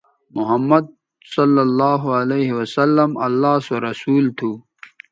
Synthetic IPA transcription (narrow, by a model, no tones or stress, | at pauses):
mʊɦɐmːɐd̪̚ | sʌlːɐlːaːɦuɐleːɦiwɐsɐlːɐmɐ̰lːaːsoɾɐsuːlt̪ʰuː